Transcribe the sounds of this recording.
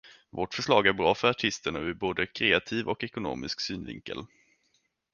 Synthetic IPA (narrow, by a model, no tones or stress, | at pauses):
voːʈfœʂlɑːɡæɾbɾɑːfœɾaʈʰɪst̪əɳaɪboːd̪əkʰɾeːat̪ʰiːvɔkɛkʊno̰ːmɪsksyːnvɪ̰ŋkə̰l